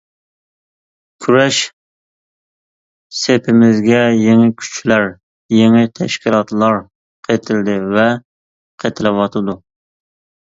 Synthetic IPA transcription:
kʲʰyɾɛʃ | sepʰɪmɪzɡʲɛjeŋɪkʲʰy̥t͡ʃʰlæɾ | jeŋɪt̪ʰɛ̰ʃkʲilˠɑt̪lˠɑɾ | qʰet̪ʰɪld̪ɪvɛ | qʰet̪ʰɪlɪwɑt̪ʰɨd̪u

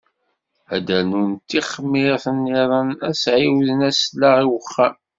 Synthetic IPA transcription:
æd̪ælnunt̪ːiχmːiθənːiðˤənæsʕiwðənæslːaʁiwəχːam

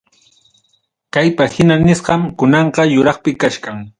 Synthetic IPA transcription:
kajpahɪnanɪsɢɑmkʊnɑɴqɑjʊɾɑχpɪkaʃkaŋ

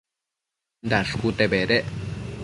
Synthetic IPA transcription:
nd̪aʂkut̪ebeɾeʔ

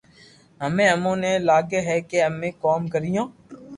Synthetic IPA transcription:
ɦɐmẽɐmõːnelaːɡeɦɛkeɐmẽkɔːmkəɾijõː

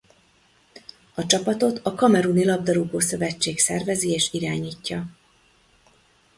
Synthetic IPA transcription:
ɒt͡ʃɒpɒt̪o̞t̪ʰɒkɒmɛɾunilɒbd̪ɒɾuɡoːsø̞vɛt͡ʃːeːksɛrvɛzieːʃiɾaːɲiːcːɒ

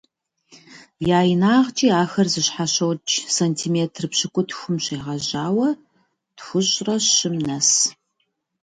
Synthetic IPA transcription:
jaːjɪnaːʁt͡ʃʼiːaːxɐrzɨɕħaɕɐwt͡ʃʰʼsɐntʰimeːtʰrɨpɕɪkʷʼʊtʰxʷʊmɕeːʁɐʑaːwɐ | txʷʊɕʼrɐɪmnɐs

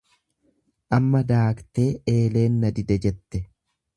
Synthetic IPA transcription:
ʔɐmːɐd̪aːkt̪e̞ːe̞ːle̞ːnːɐd̪ɪd̪ɛd͡ʒɛt̪ːɛ

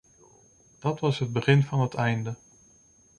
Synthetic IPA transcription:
d̥ɑtʋɑsɦəd̚bəχɪnvɑnɦətʰɛjndə

